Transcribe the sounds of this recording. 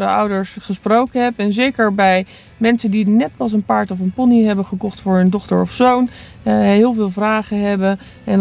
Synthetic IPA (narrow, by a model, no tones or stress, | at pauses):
də̰ʌ̰wdəɹsχəsprowkənɦɛpɛnzejkəɹbɛj | mɛnsəndinɛt̚pɑs̬ənpaːɹtɔfənpɔniɦɛbənχəkɔχtfʊːɹɦɵndɔχtə̰ɹɔfsown | ɦɪːlˠvɪːlˠvraːχənɦɛbən | ɛn